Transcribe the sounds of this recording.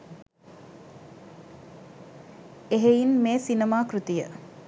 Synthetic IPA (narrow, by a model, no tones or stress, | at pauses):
eɦeinmeːsinəmaːkɾut̪ijə